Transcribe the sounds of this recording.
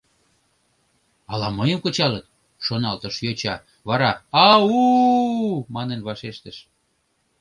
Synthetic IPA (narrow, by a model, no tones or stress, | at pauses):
ɑlɑməjəmkot͡ɕɑlət̪̚ | ʃonɑlt̪əʃjot͡ɕɑ | βɑɾɑɑu | mɑnenβɑʃeʃt̪əʃ